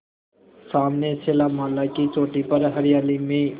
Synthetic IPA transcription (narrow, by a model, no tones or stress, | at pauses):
saːmnesʰeːlamaːlakit͡ʃoːʈipəɾɦəɾijaːlime